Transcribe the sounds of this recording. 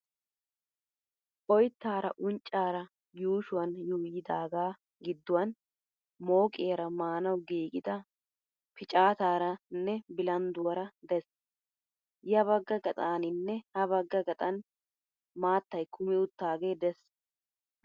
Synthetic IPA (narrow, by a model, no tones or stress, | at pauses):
ʔɔjt̪ːaːɾɐʔʊnt͡ʃʼːaːɾɐ | juːʃʊwɐnjuːjɪd̪aːɡaː | ɡɪd̪ːʊwɐn | mo̞ːkʼeːɾɐmaːnɐwɡiːɡɪd̪ɐ | pɪt͡ʃʼaːt̪aːɾɐnːɛbɪlɐnd̪ʊwɐɾɐd̪ɛs | jɐβɐɡːɐɡɐt̪ʼaːnɪnːɛhɐβɐɡːɐɡɐt̪ʼɐn | maːt̪ːɐjkʰʊmɪʊt̪ːaːɡe̞ːd̪ɛs